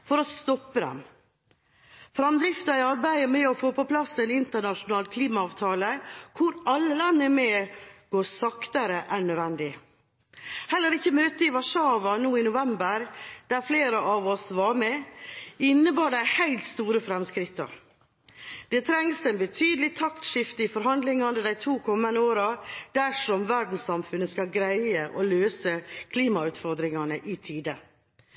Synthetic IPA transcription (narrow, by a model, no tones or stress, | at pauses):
fɔɾɔst̪ɔpːəd̪ɛ̰m | fɾɑmd̪ɾɪft̪ɑɪɑɾbæɪəmɛɔfoːpʰɔpʰlɑsɛnɪnt̪əɳɑʂʊnɑːlkʰliːmɑɑːʋt̪ʰɑːləkʰʊɾɑlːəlɑnːəmɛɡ̥oːsɑkt̪ɑɾəʔæɳœd̪ʋɛnd̪ɪ | hɛlːəɾɪçːəmøːt̪əɪʋɑʂɑːʋɑnuːɪnʊʋɛmbəɾd̪̥æɾfleːɾəʔɑːʋɔsʋɑɾmɛ | ɪnːəbɑːɖæɪhæɪlt̪st̪uːɾəfɾɛmskɾɪt̪ːə̰ɾ | d̪̥ɛt̪ʰɾɛŋsd̪ɛnbət̪ʰyːd̪əlɪt̪ʰɑkt̪ʂɪft̪əɪfɔɾɦɑnd̪lɪŋɑnəd̪æɪt̪ʰuːkʰɔmːənəoːɾɑd̪̥æʂɔmʋæɖɳ̩sɑmfʉnːəskɑɡɾæɪəʔɔːløːsəkʰliːmɑʉːt̪fɔɾd̪ɾɪŋɑnəʔɪt̪ʰiːd̪ə